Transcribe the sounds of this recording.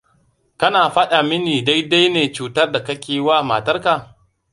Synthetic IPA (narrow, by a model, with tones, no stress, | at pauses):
kɐ˦naː˨ɸɐ˦ɗa˨mɪ˦niː˨da˦jda˦jneː˨t͡ʃuː˦tɐ˦rda˨kɐ˦kʲeː˨waː˦ma̰˨tɐ˦rka˨